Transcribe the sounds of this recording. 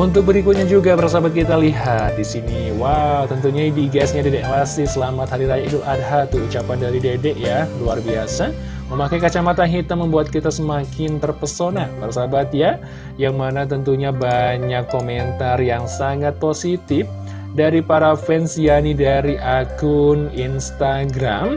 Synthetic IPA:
unt̪ʊk̚bəɾikʊt̪̚ɲad͡ʒuɡapaɾasabat̪̚kit̪aliɦat̪̚disini | wawt̪ənt̪uɲaidiɡɛsɲadedɛʔlasɪsəlamat̪haɾiɾajaiduʔad̚ɦat̪uut͡ʃapandaɾidedɛʔjaluarbiasa | məmakajkat͡ʃamat̪aŋɦit̪aməmbuat̪̚kit̪asəmakɪnt̪ərpərsonapaɾasabat̪ja | jaŋmanat̪ənt̪uɲabaɲakːomɛnt̪arjaŋsaŋat̪̚posit̪ɪf | daɾipaɾafɛnsianidaɾiʔakʊninst̪aɡɾam

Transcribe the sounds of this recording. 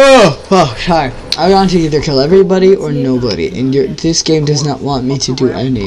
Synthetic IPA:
owoʊʃaɪ | aɪɑ̃ntɨiðə˞kʰɪlˠɛvɹibɑɾiʔə˞noʊbɑ̰ɾḭʔɨ̰̃njə˞ðɪsɡ̥ẽɪ̃mdʌznə̰ʔwɑ̃nmiɾɨdɨʔɛni

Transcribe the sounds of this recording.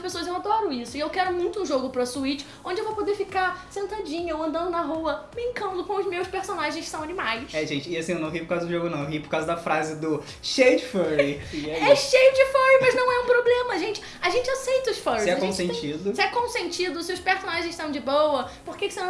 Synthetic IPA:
ʃpesoɐzewad̪ɔɾʊisʊɪewkɛɾʊmũj̃t̪ʊũʒoɡʊpɾɐsuit͡ʃɪ̥ | õd͡ʒɪewvowpod̪eɾfikasẽnt̪ad͡ʒĩɲɐoɐ̃nd̪ɐ̃nd̪ʊnɐɦuɐbɾĩŋkɐ̃nd̪ʊkõw̃ʊzmewspeɾsonaʒẽj̃skɪsɐ̃w̃ɐnimajʃɛʒẽnt͡ʃɪɪasĩewnɐ̃w̃ɦipoɾkawzɐd̪ʊʒoɡʊnɐ̃w̃ewɦipoɾkawzɐd̪ɐfɾazɪd̪ʊ | ʃed͡ʒɪfɛɹiɛɛʃejʊd͡ʒɪfɔwimɐznɐ̃w̃ɛũpɾoblẽmɐʒẽnt͡ʃɪ̥ | aʒẽnt͡ʃɪasejt̪ɐʊsfɔɾisɛkõsẽt͡ʃid̪ʊsɪɛkõsẽnt͡ʃid̪ʊsewspeɾsonaʒẽzsɐ̃w̃d͡ʒɪbowɐpoɾkekɪ̥sẽ

